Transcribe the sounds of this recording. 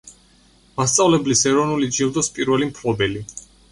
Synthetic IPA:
mast̪sʼavlɛblisɛɾɔnulid͡ʒilˠd̪ɔspʼiɾvɛlimpʰlɔbɛli

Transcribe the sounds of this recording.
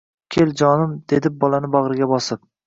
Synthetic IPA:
kʲʰeld͡ʒɒnɪmd̪̥e̞d̪ɪp̚bɒlˠanɪbɒʁɾɪɡʲabɒsɪp̚

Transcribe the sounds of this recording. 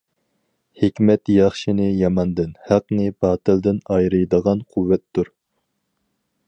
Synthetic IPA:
hekʲmɛt̪jɑχʃinɨjɑmɑnd̪ɪnhæq̚nɨbɑːt̪ɨld̪ɪnɑjɾɨjd̪əʁɑnqʰuwːɛt̪ːuɾ

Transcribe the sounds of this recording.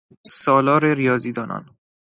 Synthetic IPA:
sɒːlɒːɾeɾijɒːziːd̪ɒːnʔɒ̰ːn

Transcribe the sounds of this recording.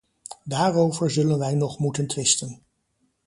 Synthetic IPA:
daːrowvəɹzɵlənʋɛjnɔχmutəntʋɪstən

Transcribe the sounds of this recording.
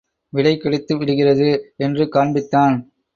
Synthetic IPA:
ʋɪɭɐɪkːɐɽɪt̪ːɯʋɪɽɯɣɪrɐðɯɛndrɯkaːɳbɪt̪ːaːn

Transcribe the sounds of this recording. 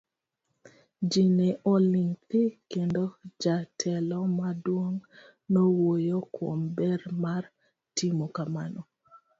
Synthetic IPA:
d͡ʒineʔɔliŋtɪkendod͡ʒatʰɛlɔmadwoŋ | nowojokʰwombɛrmar | tʰimokamanɔ

